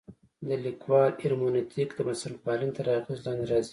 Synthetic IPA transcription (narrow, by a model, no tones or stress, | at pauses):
d̪əlikwɑlɪɾmonit̪ʰikd̪əmasalpɑlint̪aɾɑxizlɑnd̪eɾɑzi